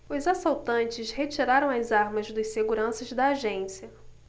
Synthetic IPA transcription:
ʊzasawt̪ɐ̃nt͡ʃɪʃhet͡ʃiɾaɾɐ̃w̃ɐzaɾmɐzd̪ɐjseɡuɾɐ̃sɐzd̪ɐːʒẽsiɐ

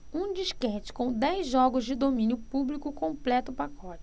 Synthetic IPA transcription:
ũd͡ʒiʃkɛt͡ʃɪ̥kõw̃d̪ɛjzʒɔɡʊzd͡ʒɪd̪omĩnjʊpublikʊkõplɛt̪ʊpakɔt͡ʃɪ̥

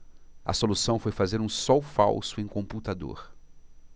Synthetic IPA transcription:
ɐ̰solusɐ̃w̃fojfazeɾũsɔwfawsʊẽj̃kõput̪ad̪o̰ɾ

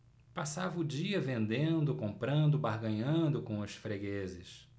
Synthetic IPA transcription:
pasavɐʊd͡ʒiɐvẽnd̪ẽnd̪ʊkõmpɾɐ̃nd̪ʊbaɾɡɐ̃ɲɐ̃nd̪ʊkõw̃ʊsfɾeɡezɪs

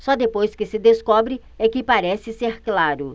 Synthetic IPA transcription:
sɔd̪epojskɪsɪd̪eskɔbɾɪ | ɛkɪpaɾɛsɪseɾklaɾʊ

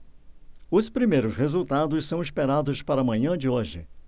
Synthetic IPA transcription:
ʊspɾimejɾʊshezuwt̪ad̪ʊssɐ̃w̃ispeɾad̪ʊspaɾɐmɐ̃ɲɐ̃d͡ʒɪoʒɪ̰

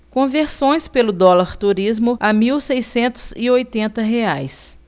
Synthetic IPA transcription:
kõveɾsõj̃spelʊd̪ɔlaɾt̪uɾizmʊʔamiwsejsẽnt̪ʊ̥zɪojt̪ẽnt̪ɐɦeajs

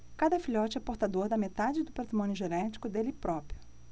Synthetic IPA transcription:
kad̪ɐfiʎɔt͡ʃɪɛpoɾt̪ad̪oɾd̪ɐmet̪ad͡ʒɪd̪ʊpat̪ɾimõnjʊʒenɛt͡ʃi̥kʊd̪elɪpɾɔpɾjʊ

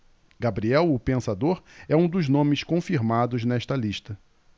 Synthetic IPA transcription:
ɡabɾiɛwʊpẽsad̪oɾɛũd̪ʊznõmɪskõfiɾmad̪ʊznɛʃt̪ɐliʃt̪ɐ

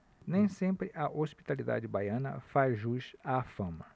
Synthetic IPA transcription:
nẽj̃sẽmpɾɪʔɐʔospi̥t̪alid̪a̰d͡ʒɪbajɐ̃nɐ̰fazʒuʃaːfɐ̃mɐ

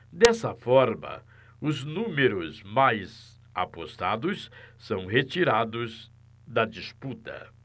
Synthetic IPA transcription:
d̪ɛsɐfɔɾmɐ̰ | ʊznũmeɾʊzmajz | a̰post̪ad̪ʊssɐ̃w̃ɦet͡ʃiɾad̪ʊz | d̪ɐd͡ʒisput̪ɐ̰

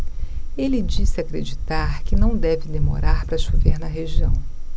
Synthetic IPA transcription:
elɪd͡ʒisɪakɾed͡ʒit̪aɾkɪnɐ̃w̃d̪ɛvɪd̪emo̰ɾaɾpɾɐʃoveɾnɐɦeʒiɐ̰̃w̃

